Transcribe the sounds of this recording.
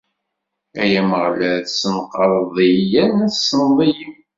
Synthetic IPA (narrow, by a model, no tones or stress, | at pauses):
æjæməʁlæɾθsənqəɾˤðˤijænæsːənðˤijim